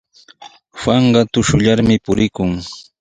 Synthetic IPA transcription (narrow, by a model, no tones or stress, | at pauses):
wɑɴɢɑt̪ʊʃʊʎaɾmɪpʊɾɪkʊŋ